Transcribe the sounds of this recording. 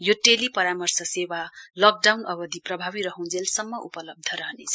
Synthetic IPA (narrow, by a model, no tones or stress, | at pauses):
joʈelipʌɾamʌrsʌsewalʌk̚ɖawnʌbʌd̪ʱiprʌbʱabiɾʌɦũd͡zelsʌmːʌupʌlʌb̚d̪ʱʌɾʌɦnet͡sʰʌ̥